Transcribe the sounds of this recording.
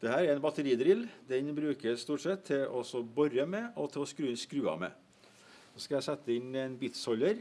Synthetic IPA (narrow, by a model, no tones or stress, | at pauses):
d̪̥ɛhæːɾɛɾɛnbɑt̪əɾiːd̪ɾɪld̪ɛnbɾʉːkəsst̪uːʈsɛt̪ʰːɪlɔsɔbɔɾəmɛʔɔt̪ʰɪlɔskɾʉːɪnskɾʉːɑ̰mɛ̰ | ɔːskɑjæɪsɛt̪ːəɪnɛnbiːt̪sɔlːəɾ